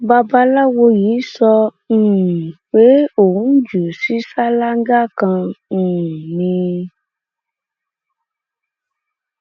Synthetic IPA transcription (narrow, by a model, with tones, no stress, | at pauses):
ba˧ba˦la˦wo˧ji˨˦sɔ̃˧˦˨ | we˨˦õ˨˦d͡ʒu˨si˦sa˦la˦ŋ̩˦ɡa˦˨kã˧˦˨ | nĩ˧